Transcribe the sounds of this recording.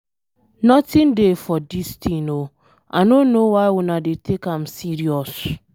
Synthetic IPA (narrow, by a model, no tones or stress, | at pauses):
nɔtɪ̃ndefɔdistĩno | ʔa̰nonːowaɪwunadetʰekãmsiɾiɔs